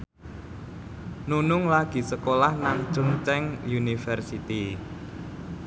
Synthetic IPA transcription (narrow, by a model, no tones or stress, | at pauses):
nunʊŋlaɡ̥i̤səkolahnaŋt͡ʃʊŋt͡ʃɛŋjunifɛrsit̪i